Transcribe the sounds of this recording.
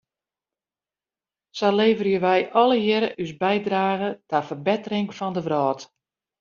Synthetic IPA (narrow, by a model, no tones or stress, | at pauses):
sɔleːvərjəʋɛjʔɔlˠəjɪɾəʔysbɛjdraːɣətafərbɛtərɪŋfɔndəʋrɔːt